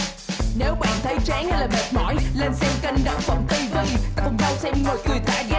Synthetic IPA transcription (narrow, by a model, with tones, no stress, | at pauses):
ne˨˦wɓa̰ː˧˨nt̪ʰə˨˦jt͡ɕaː˨˦ŋhjlaː˨˩ɓə˨˩t̚mɔ̰˧˥˨jle˧nsɛ˧mka˧jŋ̟ɗə̰˧˨wŋ͡mfə˧˩wŋ͡mt̪i˧vi˧˩kʊ̰˨˧˨ŋ͡mɗə˧˩wsɛ˧˥ɗḭ˧mo˨˩t̚kɨ˨˩əjt̪ʰaː˧˩ɣa˧